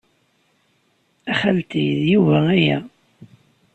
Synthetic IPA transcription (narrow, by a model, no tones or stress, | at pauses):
æχælt̪ijðjuvææjæ